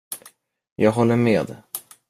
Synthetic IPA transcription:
jɑːɡɦɔlːəɾmeːd̪

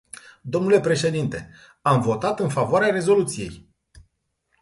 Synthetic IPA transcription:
d̪o̞mnule̞pɾe̞ʃe̞d̪int̪e̞ | amvo̞t̪at̪ɨnfavoaɾeaɾe̞zo̞lut̪sije̞̰j

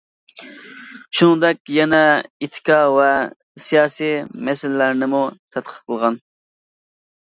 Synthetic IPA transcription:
ʃunŋd̪ɛkʲjɛnɛit̪ʰːɪ̥kʰɑvɛ | sijɑːsimɛsɪllæɾnɪmut̪ʰɛt̪qʰə̥t̪qʰəlˠʁɑn

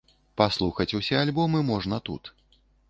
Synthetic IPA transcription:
paslˠuxɐt͡sʲusʲɛalʲbɔmɨmɔʐnɐt̪ṵt̪

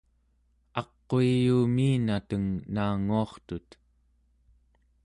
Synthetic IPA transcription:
ɑqːoijuːmiːnat̪əŋnaːŋuɑχt̪ut̪

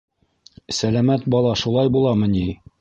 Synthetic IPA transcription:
sælæmæt̪̚bɒlˠɑʃulˠɑjbulˠɑmɤ̆ni

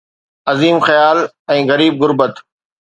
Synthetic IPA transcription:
ɐziːmxɐjaːl | ɛ̃ːɣɐɾiːb̚ɣʊɾbət̪

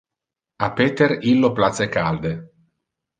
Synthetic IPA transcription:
apeːt̪eɾilːoplat̪sekald̪e

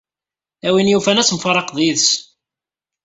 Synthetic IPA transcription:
æwinjufænæsmfɑɾˤɑqðˤiðs

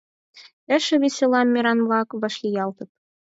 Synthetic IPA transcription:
ɘ̆ʃɘ̆βʲesʲelˠɑmʲːiɾɑnβlˠɑkβɤ̆ʃlʲijɑlˠt̪ɤ̆p̚

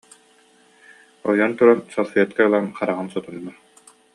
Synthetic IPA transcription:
ɔjɔnt̪uɾansɔlˠfɛɛt̪kaɯlˠanχaɾaʁɯnsɔt̪unːa

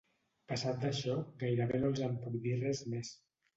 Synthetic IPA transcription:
pəsat̪̚d̪əʃɔɣajɾəβenolˠzəmpuk̚d̪irɛzmes

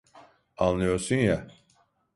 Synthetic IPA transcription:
anlˠɯjoɾsunja

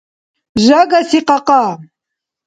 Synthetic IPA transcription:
ʒaɡasiqʼaqʼa

